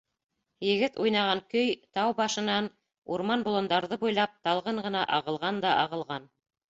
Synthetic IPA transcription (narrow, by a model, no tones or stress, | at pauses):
jɘ̆ɡɘt̪ujnɑʁɑŋkɵjt̪ɑwbɑʃɤ̆nɑn | uɾmɑnbulˠɤ̆nd̪ɑɾðɤbujlˠɑp̚t̪ɑlˠʁɤɴɢɤ̆nɑʔɑʁɤ̆lˠʁɑnd̪ɑʔɑʁɤ̆lˠʁɑn